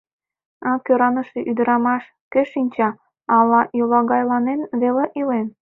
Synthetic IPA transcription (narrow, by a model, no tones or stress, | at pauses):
ɑkøɾɑnəʃeʔyd̪əɾɑmɑʃ | keʃinʲt͡ɕɑ | ɑlɑʔjulɑɣɑjlɑnenβeleʔilen